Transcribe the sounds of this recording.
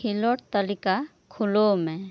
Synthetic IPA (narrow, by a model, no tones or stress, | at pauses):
ilɔʈ̚t̪əlika | kʰʊlomɛ̃